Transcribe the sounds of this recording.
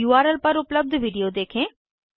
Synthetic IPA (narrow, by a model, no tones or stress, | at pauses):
uːaːɾəlpɐɾʊpləb̚d̪ʱʋiɖijod̪eːkʰẽː